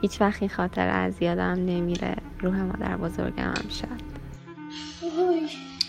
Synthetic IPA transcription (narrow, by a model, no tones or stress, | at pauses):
hiːt͡ʃʰvæxt̪inxɒːt̪ʰḛɾæzijɒːd̪æmne̞miɾḛ | ɾuːɦemɒ̰ːd̪æɾbozo̞̰ɾɟḛmʔæ̰mʃæd̪̥ | oj